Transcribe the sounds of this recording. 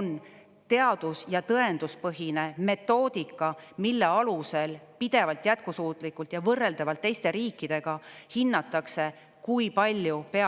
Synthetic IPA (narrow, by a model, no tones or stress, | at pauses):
on | t̪e̞ɑd̪̥usjɑt̪ɤe̞nd̪̥uspɤɦine̞me̞t̪ːˑo̞ːd̪̥ikːˑɑmilːe̞ɑluse̞lpid̪̥e̞vɑlt̪ˑjæt̪̚kusuːt̪ˑlikːˑult̪jɑvɤrːe̞ld̪̥ɑvɑlt̪ːe̞jst̪e̞ɾiːkˑːid̪̥e̞ɡ̥ɑhinːɑt̪ːˑɑkse̞ | kuipɑlʲːjupeɑ